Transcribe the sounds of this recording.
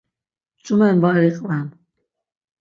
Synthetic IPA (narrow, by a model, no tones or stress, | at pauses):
t͡ʃʼumɛnvaɾiqʼvam